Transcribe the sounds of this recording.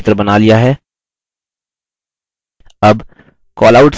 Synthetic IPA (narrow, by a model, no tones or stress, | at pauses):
t̪ɾəbɐnalijaɦɛː | ɐb | kɔːlaʊʈs